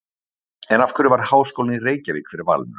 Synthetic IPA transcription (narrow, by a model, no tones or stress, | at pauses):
ɛnafkʏɾɪvaɾ̥haːwskowlnireːjcavḭːkʰfɪɾɪɾva̰lnʏ